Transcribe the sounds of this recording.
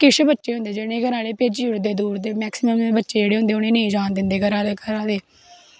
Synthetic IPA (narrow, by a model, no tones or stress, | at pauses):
kɪt͡ʃʰbətːʃeːɦʊ̃nd̪eːd͡ʒeːɽẽːɡəɾãːleːpeːd͡ʒʊɾd̪eːd̪uːɾd̪eːmɛːksɪməmebətːʃeːd͡ʒeːɽeːɦʊ̃nd̪eːʊnẽːnẽːd͡ʒaːnd̪ɪnd̪eːɡəɾãːɡəɾãːd̪eː